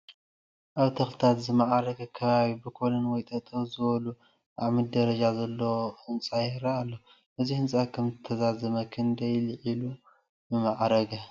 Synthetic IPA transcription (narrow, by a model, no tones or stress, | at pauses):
ʔaβt̪ʰɐxlɨt̪ʰat̪zɨmaʕɾɐɡɐkʰɐβaβibɨkʰolɐnwɔjt̪ʼɐt̪ʼɐwzɨβɐlu | ʔaβmɨd̪ɐɾɐd͡ʒazɐlːoɨnsʼajɾɐːlːo | ʔɨzihɨnsʼakʰɐmzɨt̪ʰɐzazɐmɐkʰɨnd̪ɐjlɨʕilu | bɨmaʕɾɐɡɐ